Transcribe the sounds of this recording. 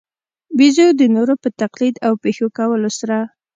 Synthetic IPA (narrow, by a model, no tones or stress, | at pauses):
bizod̪ənoɾopət̪aqlid̪awpexokawəlosaɾa